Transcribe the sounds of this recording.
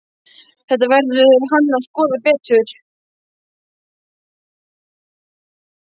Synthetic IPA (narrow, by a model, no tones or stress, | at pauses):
θɛht̪ːavɛɾðʏɾɾɦanːnaskɔːðapɛːt̪ʏɾ̥